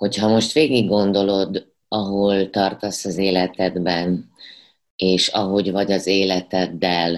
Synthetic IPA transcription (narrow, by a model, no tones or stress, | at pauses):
ho̞chɒmo̞ʃt̪ʋeːɡiɡːo̞nd̪o̞lo̞d̪ | ɒɦo̞lt̪ɒrt̪ɒsɒzeːlɛt̪ɛd̪bɛn | eːʃɒɦo̞ɟvɒɟɒzeːlɛt̪ɛd̪ːɛl